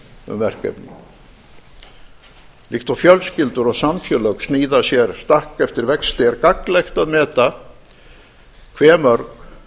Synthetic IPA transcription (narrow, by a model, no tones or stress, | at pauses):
ʏ̰mvɛr̥kɛ̰pnḭ | lixt̪awfjœlscɪlt̪ʏɾɔɣsamfjœlœksniːðasjɛɾ̥st̪akɛft̪ɪɾvɛkst̪eɾkaklejxt̪aðmɛːt̪a | kʰvɛːmœɾk